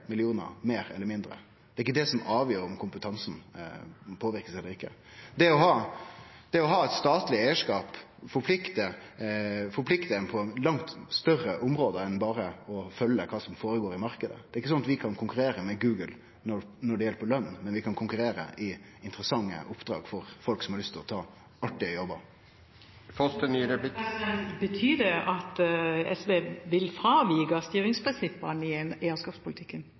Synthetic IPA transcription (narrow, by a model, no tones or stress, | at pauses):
mɪlɪuːnə̰ɾmeːɾɛlːəɾmɪnd̪ɾə̰ | d̪̥ɛːɾɪkːəd̪ɛsɔmɑːʋjøːɾɔmkʰʊmpət̪ʰɑnsn̩ | pʰoːʋɪɾkəsɛlːəɾɪkːəd̪ɛɔɦɑː | d̪̥ɛɔɦɑːɛɪt̪st̪ɑːt̪lɪɛɪəʂkɑːp | fɔɾpʰlɪkt̪ə | fɔɾpʰlɪkt̪əɛnpʰɔlɑŋt̪st̪œrəʔʊmɾoːd̪əɛnbɑːɾəɔfœlːəkʰɑːsɔmfoːɾəɡoːɾɪmɑɾkəd̪ə̰d̪ɛːɾɪkːəsɔnːɑt̪ʋɪkʰɑnkʰʊŋkʉɾeːɾəmɛɡʉːɡəl | nɔnɔɖɛjɛlːəpɔlœnːmɛnʋɪkʰɑnkʰʊŋkʉɾeːɾə̰ʔɪ | ɪnt̪əɾəsɑŋːə̰ʔʊpd̪̥ɾɑ̰ːɡfɔɾfɔlksɔmhɑɾlst̪ʰɪɾɔt̪ʰɑː | ɑʈɪɔjɔbə | fɔst̪ənyɾəblbət̪ʰyːd̪ɛɑt̪ɛ̰sʋeːʋɪlfɾɑːʋiːɡɑst̪yːɾɪŋspʰɾɪnsɪpːənɪɛneːəskɑːpspʊlɪt̪ʰɪkːən